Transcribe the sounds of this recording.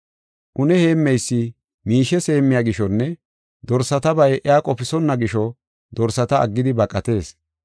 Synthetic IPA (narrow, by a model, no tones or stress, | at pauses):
ʔʊnɛhe̞ːmːɛjsːɪ | miːʃɛse̞ːmːɪjaːɡɪʃɔnːɛ | d̪ɔɾsɐt̪ɐbɐjʔɛaːkʼɔpɪsɔnːɐɡɪʃɔ | d̪ɔɾsɐt̪ɐɐ̰ɡːɪd̪ɪbɐkʼɐt̪e̞ːs